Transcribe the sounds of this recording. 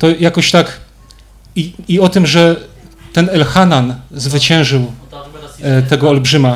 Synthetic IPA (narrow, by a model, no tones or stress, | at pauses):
t̪ɔjakɔɕt̪ak | iiɔt̪ɘmʐɛt̪ɛnɛlxananzvɘt͡ɕɛ̃w̃ʐɘw | t̪ɛɡɔːlbʐɘma